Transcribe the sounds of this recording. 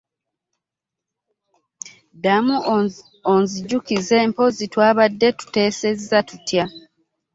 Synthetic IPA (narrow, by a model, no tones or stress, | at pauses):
damu | onziɟukize̞ːmpo̞zitwaːβadːe̞tu̥te̞ːse̞zːatutja